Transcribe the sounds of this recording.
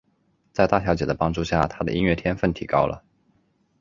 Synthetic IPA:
t͡sa˥˧ɪt̪a˥˩ɕʰjɑ˧˥ʊt͡ɕjɛ˨˩d̪ə˩pɑ˥ŋʈ͡ʂu˥˧ɕja̰˥˩t̪ʰa˥d̪ə̰˨˧i˥nɥɛ˥˩t̪ʰjɛ˥nfə˥˩nt̪ʰḭ˨˩kɑ˥ʊlə̰˨

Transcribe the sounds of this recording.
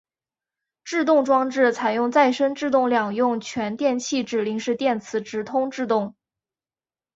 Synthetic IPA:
ʈ͡ʂɻ̩˥˧t̪ʊ˥˩ŋʈ͡ʂwɑ˥ŋʈ͡ʂɻ̩˥˩t͡sʰa˨˩ɪjʊ˥˧ŋt͡sa˥˩ɪʂə˥ŋʈ͡ʂɻ̩˥˧t̪ʊ˥˩ŋljɑ˨˩ŋjʊ˥˩ŋt͡ɕʰɥɛ˧˥nt̪jɛ˥˧nt͡ɕʰi˥˧ʈ͡ʂɻ̩˥˩li˧˥ŋʂɻ̩˥˧t̪jɛ˥˩nt͡sʰɹ̩˧˥ʈ͡ʂɻ̩˧˥t̪ʰʊ˥ŋʈ͡ʂɻ̩˥˧t̪ʊ˥˩ŋ

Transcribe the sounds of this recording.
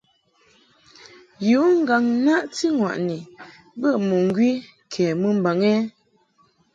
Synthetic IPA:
ju˨˦ŋ̩˦ɡa˨ŋ˦na˦ʔti˦ŋwa̰˨ʔni˨ | bə˦˨mu˨ŋ˦ɡɥi˦ | kʰɛ˨mə˦m˦ba˨ŋɛ˦

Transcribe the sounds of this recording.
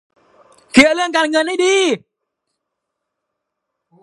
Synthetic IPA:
ki˨ə˨˧˨lɨ˦ə˨ŋka˧nŋə˧˨ni˦ɗi˧

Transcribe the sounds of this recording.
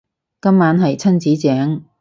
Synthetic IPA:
kɐ˥mːaː˨˥nɦɐ˨jt͡sʰɐ˥nt͡siː˨˥t͡sɛː˨˥ŋ

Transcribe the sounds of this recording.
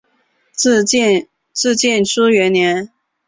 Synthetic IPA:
t͡sɹ̩˥˧t͡ɕjɛ˥˩nʈ͡ʂʰu˥ɥɛ˧˥nnjɛ˧˥n

